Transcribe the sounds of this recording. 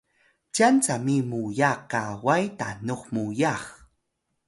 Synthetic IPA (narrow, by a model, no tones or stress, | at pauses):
t͡ʃant͡samimujaqawajta̰nuχmujaχ